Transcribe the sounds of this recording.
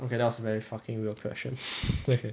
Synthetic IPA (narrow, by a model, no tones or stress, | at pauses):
ʔokedðæt̚wsəvɛɹifʌkɪ̃ŋɹilˠkʰw̥ɛ̰st͡ʃə̰̃nokʰe